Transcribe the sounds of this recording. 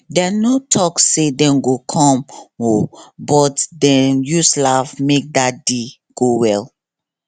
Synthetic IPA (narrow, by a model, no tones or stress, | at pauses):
dɛnotʰɔksedɛ̃mɡokʰɔ̃mɔbɔtdɛ̃njuslavmek̚dat̚de | ɡ̥owɛl